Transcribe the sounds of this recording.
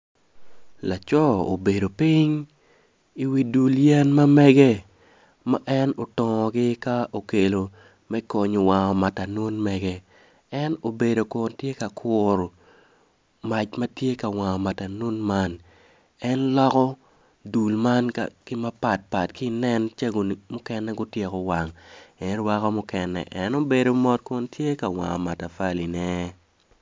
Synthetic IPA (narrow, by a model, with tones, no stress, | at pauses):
la˨t͡ʃɔ˦o̰˨be˨do˨pi˦ɲ | i˨wi˨du˨ljɛ˦nma˦mɛ˦ɡɛ˦ | ma̰˦ʔɛ˦no˨tɔ˨ŋɔ˨ɡɪ˦ka˦o˨ke˨lo˨ | mɛ˦ko˨ɲo˨wa˨ŋɔ˨ma˨ta˨no˦nmɛ˨ɡɛ˦ | ɛ˦no˨be˨do˨ko˨ntje˦ka˨kʰʊ˨ɾo˨ | ma˨t͡ʃmɐ˦tje˦ka˨wa˨ŋɔ˨ma˨ta˨no˦nma˦n | ɛ˦nlɔ˦kɔ˦ | du˨lma˦nka˨kɪ˦ma˦pa˨t̚pa˨tki˦nɛ˦nt͡ʃa˦ɡo˨n˨mʊ˦kɛ˦nɛ˦ɡʊ˦tje˨kɔ˨wa˨ŋɛ˨nwa˦kɔ˦mʊ˦kɛ˨nɛ̰˨ʔɛ˦no˦be˨do˨mɔ˦t̚kʊ˦ntʰje˦ka˨wa̰˨ŋɔ̰˨ma˨ta˨fa˦li˨nɛ˦